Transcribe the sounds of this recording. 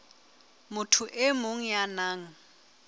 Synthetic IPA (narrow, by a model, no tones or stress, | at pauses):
mʊtʰuʔemʊŋ̩janaːŋ̩